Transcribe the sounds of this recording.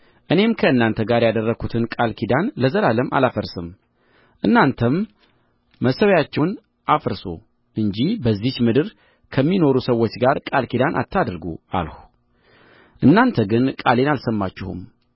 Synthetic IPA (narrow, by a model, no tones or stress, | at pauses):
ʔɨne̞mkʰəɨnːant̪ʰəɡaɾjad̪ərːəɡʰut̪ʰɨnkʼalkʰid̪anləzəlaləmʔa̰lafəɾsɨm | ʔɨnːant̪ʰəmː | əsəwjat͡ʃːɛwn | ʔafəɾso̰ | ʔɨɲd͡ʒihbəzːit͡ʃmɨd̪ɨɾ | kʰəmːino̞ɾusəwːo̞t͡ʃːɡaɾkʼalkid̪anʔa̰t̪ʰːad̪ɾɡṵa̰lhu | ʔɨnːant̪ʰəɡɨnkʼale̞nalsəmːat͡ʃːɪhṵm